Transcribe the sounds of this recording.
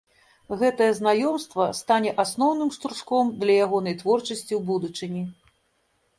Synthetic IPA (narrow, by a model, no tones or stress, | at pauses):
ɣɛt̪ɐjɛznajɔmst̪vɐst̪anʲɛʔasn̪ɔwnɨmʂt̪ɾuʂkɔmd̪lʲɐjaɣɔnɐjt̪vɔrt͡ʂɐsʲt͡sʲiwbud̪ut͡ʂɨnʲi